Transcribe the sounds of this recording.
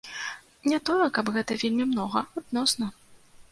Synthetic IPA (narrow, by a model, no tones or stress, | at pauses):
nʲat̪ɔjɛkɐbɣɛt̪ɐvʲelʲmʲimnɔɣɐad̪̚nɔsnɐ